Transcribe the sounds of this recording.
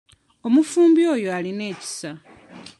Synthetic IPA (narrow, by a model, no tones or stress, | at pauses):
o̞mufuːmbjo̞ːjo̞aline̞ːci̥sa